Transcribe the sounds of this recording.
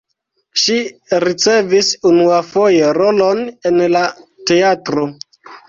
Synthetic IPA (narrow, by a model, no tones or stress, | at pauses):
ʃiɾit͡se̞visunuafo̞je̞ɾolo̞ne̞nlate̞atɾo